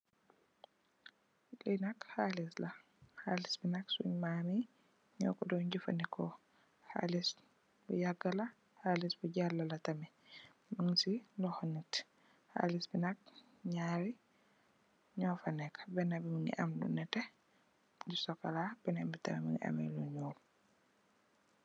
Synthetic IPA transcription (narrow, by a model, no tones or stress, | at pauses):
kinakhalisla | halisbinaksṵɲmami | ɲɔ̰kɔdɔwɲd͡ʒufa̰nikɔ | ha̰lis | bɔ̰jaɡːala | halisbɔɟalːalatamɛ | maŋsilɔhɔnit | ha̰lisbinak̚ | ɲaːɾi | ɲɔfanɛkḁbɛnabimunḭʔamdṵnɛtɛ | d͡ʒusɔkalabɛnambitamɛmiŋa̰mɛ̰lɔ̰ɲɔlu